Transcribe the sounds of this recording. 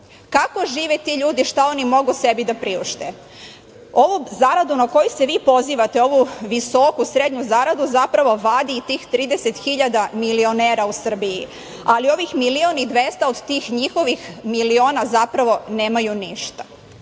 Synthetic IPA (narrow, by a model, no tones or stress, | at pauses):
kako̞ʒiːʋet̪iːʎuːd̪iʃt̪ao̞nimo̞ɡuse̞bid̪apɾiuʃt̪e | o̞ʋuzaɾad̪unako̞juseʋiːpo̞ziːʋat̪eo̞ʋuʋiso̞kusɾed̪ɲuzaɾad̪uzapɾaʋo̞ʋad̪iːt̪iːxt̪ɾiːd̪eset̪xiʎad̪amilioneːɾausr̩biji | alio̞ʋixmilionid̪ʋe̞st̪ao̞d̪t̪iːxɲixo̞ʋixmilio̞ːnazapɾaʋo̞neːmajuniʃt̪ḁ